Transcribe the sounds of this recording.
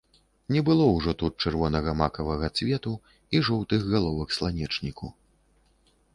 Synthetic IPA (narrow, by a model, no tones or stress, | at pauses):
nʲɛbɨlˠɔwʐɔt̪ut̪̚t͡ʂɛrvɔnɐɣɐmakɐvɐɣɐt͡sʲvʲɛt̪u | iʐɔwt̪ɨɣɣalˠɔvɐxslˠanʲɛt͡ʂnʲikṵ